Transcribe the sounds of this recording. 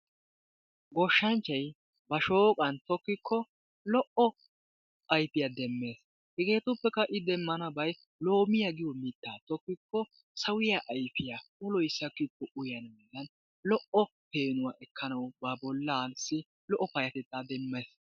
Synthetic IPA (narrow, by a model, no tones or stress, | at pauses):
ɡɔʃːɐnt͡ʃːɐj | bɐʃo̞ːkʼɐnt̪ɔkːɪkʰːɔ | lɔʔɔ | ɐjpɪjad̪ɛmːe̞ːs | hɪɡe̞ːt̪ʊpːɛkːɐʔɪd̪ɛmːɐnɐbɐj | lo̞ːmɪjaɡɪjɔmɪt̪ːaːt̪ɔkːɪkːɔ | sɐwɪjaʔɐjfɪjaʊlɔjsːɐkːɪkːɔʔʊjɐnmɛlːɐn | lɔʔɔpe̞ːnʊwaːʔɛkʰːɐnɐwbɐbɔlːansɪ | lɔʔːɔpɐjɐt̪ɛt̪ːaːd̪ɛmːeːs